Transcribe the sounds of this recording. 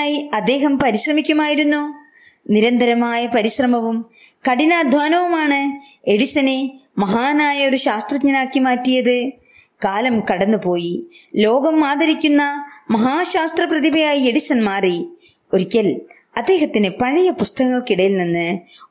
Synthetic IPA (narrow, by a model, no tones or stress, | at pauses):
ajiɐd̪ːe̞ːɦɐmpɐɾiɕrɐmikʲːumaːjiɾunːu | niɾɐnd̪ɐɾɐmaːjɐpɐɾiɕrɐmɐʋum | kɐɽinaːd̪ʱʋaːnɐʋumaːɳɨ | e̞ɽisɐnemɐɦaːnaːjɐo̞ɾuɕaːst̪rɐtɲɐnaːkːimaːtːijɐðɨ | kaːlɐmkɐɽɐnːupo̞ːjilo̞ːɡɐmːaːðɐɾikʲːunːɐmɐɦaːɕaːst̪rɐprɐðibɐjaːjie̞ɽisɐnmaːri | o̞ɾikʲːɐl | ɐd̪ːe̞ːɦɐt̪ːinɨpɐɻijɐpust̪ɐɣɐŋːɐɭkiɽɐjilninːɨ